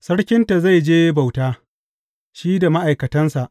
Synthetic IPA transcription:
sɐ˦ɽkʲɪ˦nta˨za˦˨jd͡ʒeː˦ba˨wtaː˦ | ʃiː˦da˨ma˦ʔa˨jkɐ˨tɐ˦nsa˨ʔ

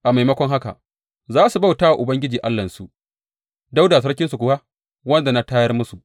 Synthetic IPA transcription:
ʔa˨ma˨jmɐ˦kʷɔ˦ŋɦa˦ka̰˨ʔ | zaː˦su˨ba˦˨wta˦wa˨ʔʊ˨bɐ˦ŋɡʲɪ˦d͡ʒiː˨ʔa˦lːɐ˨nsu˨ʔ | da˦wda˨s̬ɐ˦ɽkʲɪ˦nsu˨kʷʊ˦wa˦ | wɐ˦nda˨na˦taː˦jɐ˦rmʊ˦su˨ʔ

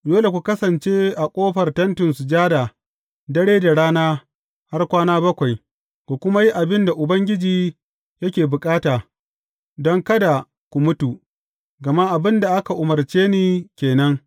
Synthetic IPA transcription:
doː˦le˨kʷu˨kɐ˦sɐ˨nt͡ʃeː˦ʔa˨kʷʼoː˦ɸɐ˨rtɐ˦ntʊ˨nsu˨d͡ʒaː˦da˨ | dɐ˦ɽeː˦da˨ɽaː˦naː˦ | ha˦rkʷaː˦naː˦bɐ˦kʷa˨j | kʷu˨kʷʊ˦ma˦ji˦ʔa˨bɪ˦nda˨ʔʊ˨bɐ˦ŋɡʲɪ˦d͡ʒiː˨ | jɐ˦kʲeː˨bʊ˨kʼaː˦taː˨ | dɔ˦ŋkɐ˦da˨ | kʷu˨mʊ˦tu˨ | ɡɐ˨ma˦ʔa˨bɪ˦nda˨ʔa˦ka˨ʔʊ˨mɐ˨rt͡ʃeː˦niː˦kʲeː˨nɐ˦ŋ

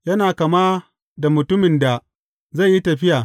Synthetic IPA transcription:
jɐ˦naː˨kɐ˨maː˦ | da˨mʊ˨tʊ˦mɪ˨nda˨ | za˦˨jːi˦tɐ˨ɸɪ˦jaː˨

